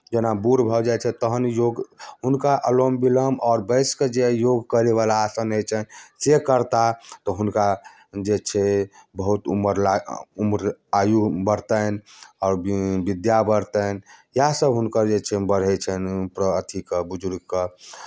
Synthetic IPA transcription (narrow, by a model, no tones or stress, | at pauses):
d͡ʒenabuɾbʱɔd͡ʒajt͡ʃʰɛt̪əɦənjoɡɦunkaʔəlombiləmɔːɾbəɪsked͡ʒejoɡkəɾeβalaːsənət͡ʃʰɛnsekəɾt̪at̪ɔɦunka | d͡ʒet͡ʃʰɛbəɦut̪ṵməɾlaumɾajubəɾt̪ənɔːɾbbid̪jabəɾt̪ənjasəbɦunkəɾd͡ʒet͡ʃʰebəɽ̤ɛt͡ʃʰɛnpɾəət̪ʰikəbud͡ʒuɾɡkə